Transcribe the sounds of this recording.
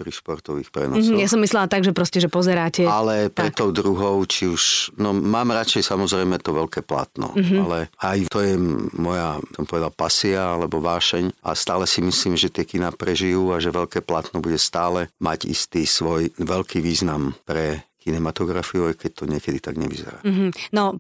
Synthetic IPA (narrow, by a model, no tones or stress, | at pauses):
pɾiʃpɔɾt̪ɔʋiːxpɾɛ̰nɔsjasɔmːislɛlat̪aɡʒɛpɾɔscɛʒɛpɔzɛɾaːcɛalɛpɾɛt̪ːɔʊd̪ɾuɦɔʊt͡ʃiuʃnɔmaːmɾat͡ʃɛjsamɔzɾɛjmɛt̪ɔʋɛʎkɛːpla̰t̪nɔ̰ɦlɛajt̪ɔjɛmɔjasɔmpɔʋɛd̪alpasiaalɛbɔʋaːʃɛɲʔa̰st̪aːlɛsimisliːmʒɛt̪ɪɛkinaːpɾɛʒijuːaʒɛʋɛlkɛːplat̪nɔbuɟɛst̪aːlɛma̰ɟḭst̪iːsʋɔjʋɛlkʰiːʋiːznampɾɛkʰinɛmat̪ɔɡɾafiuajkɛc̚t̪ɔɲɪɛkɛd̪it̪aɡɲɛ̰ʋḭzɛ̰ɾa̰ːɦnɔ